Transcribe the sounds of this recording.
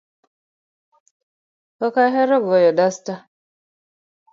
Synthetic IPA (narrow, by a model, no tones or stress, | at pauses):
kɔkaɦɛɾɔɡɔjɔdasta